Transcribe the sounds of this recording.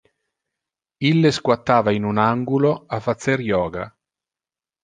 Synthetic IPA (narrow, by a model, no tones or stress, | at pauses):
ilːeskwat̪ːaːvainunaŋɡuloafat̪sːeɾjɔːɡa̰